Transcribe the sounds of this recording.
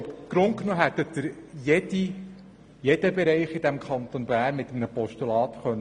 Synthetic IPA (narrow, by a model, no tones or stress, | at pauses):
ɡ̥ɾʊntknoːɦæt̪ːətdɪɾjedi | jed̥̪əbɛɾɛɪχid̥̪æmkʰχɑnt̪onbæːnmɪt̪ːəmnəpɔʃtulɑːt̪χœnː